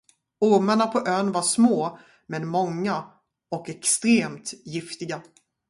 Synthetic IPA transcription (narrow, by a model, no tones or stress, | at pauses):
ʊɾmaɳapʰɔʔøːnvaʂmoː | mɛnmɔŋːa | ɔkɛkst̪ɾeːmt̪jɪft̪ɪɡa